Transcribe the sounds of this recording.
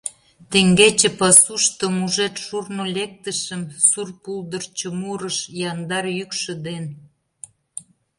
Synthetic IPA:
t̪eŋɡet͡ɕepɑsuʃt̪omuʒet̪ʃurnolʲek̚t̪əʃəmsurpuld̪ərt͡ɕŏmuɾəʃjɑnd̪ɑrjykʃə̆d̪en

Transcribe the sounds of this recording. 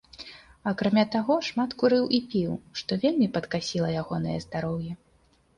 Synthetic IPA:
ɐkɾamʲat̪aɣɔʂmat̪kuɾɨwʔipʲiwʂt̪ɔvʲelʲmʲipɐt̪kasʲilˠɐjaɣɔn̪ɨjɛ̰zd̪aɾɔwjɛ

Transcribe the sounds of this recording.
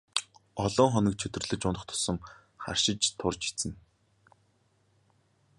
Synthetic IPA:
ɔɮɔːŋχɔnə̆k̚t͡ɕʰɵt̪ɵ̆rɮɵ̆t͡ɕʊnə̆χt̪ʰʊ̥sə̆m | χa̰rʃɪ̆t͡ɕt̪ʰʊrt͡ɕi̥t͡sɘ̆n

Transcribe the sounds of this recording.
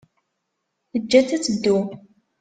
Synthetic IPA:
θəd͡ʒːæt͡sːæt͡sːəd̪ːu

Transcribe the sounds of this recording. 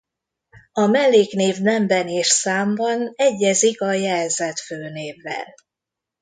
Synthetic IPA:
ɒmɛlːeːkneːvnɛmbɛneːʃsaːmbɒnɛɟːɛzikɒjɛlzɛt̪føːneːvːɛ̰l

